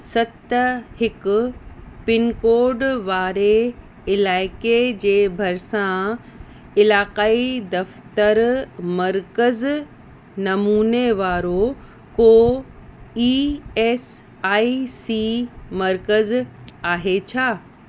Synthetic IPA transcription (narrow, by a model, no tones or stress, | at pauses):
sɐt̪hɪkʊpɪnkoːɾɖʋaːɾe | ɪlaːɪked͡ʑeːbʱɐɾsã | ɪlaːqaːid̪ɐft̪əɾmɐɾkəz | nɐmuːneʋaːɾo | ko | iːeːs | aːisiːmɐɾkəzaːɦet͡ɕʰaː